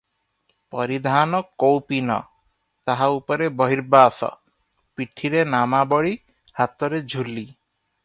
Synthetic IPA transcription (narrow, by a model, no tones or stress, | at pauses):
pɔɾid̪ʱanɔkowpinɔ̰ | t̪aɦaupɔɾebɔɦiɾbasɔ̰ | piʈʰiɾenamabɔɭi | hat̪ɔɾed͡ʒʱulːi